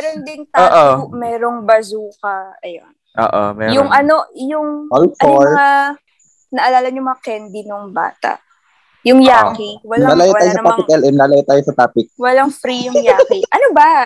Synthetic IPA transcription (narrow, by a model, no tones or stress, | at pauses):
mɛɾond̪ɪnt̪aːʔojomɛːɾoŋbɐzuːkɐɐjo̰n | ʔo̰ːʔo̰mɛjʊŋʔɐno̞jʊŋolfoɹma | nɐʔɐlaːlɐɲʊmɐŋɐkɛnb̪inʊŋba̰ːt̪ɐ̰ʔ | jʊŋjaːkiwɐlaɐlaːjotaːjosɐaːpɪkʔɛlʔɛnlaːlajot̪aːjosɐt̪aːpɪk̚wɐlɐŋfɾijʊjːkiʔɐnobɐ